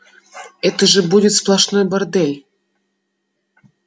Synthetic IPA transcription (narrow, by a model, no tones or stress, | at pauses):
ɛt̪əʐɨbudʲɪt̪splˠɐʂnojbard̪ɛlʲ